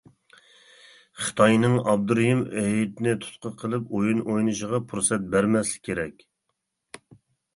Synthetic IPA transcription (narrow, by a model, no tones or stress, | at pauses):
χə̥t̪ʰɑjnɨŋɑb̚d̪uɾjimɛit̪ɪnɪt̪ʰu̥t̪̚qəqʰəlˠɨpojunʔojnɨʃəʁɑpʰuɾsɛt̪̚bæɾmɛslɪ̥k̚ʲʰːeɾɛkʲ